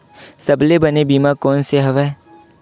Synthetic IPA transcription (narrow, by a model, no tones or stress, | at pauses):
sɐblebɐnebiːmakɔːnseɦɐʋɛː